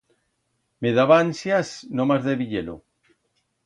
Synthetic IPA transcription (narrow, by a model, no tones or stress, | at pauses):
meðaβaansjasnomazðeβiʎelo̰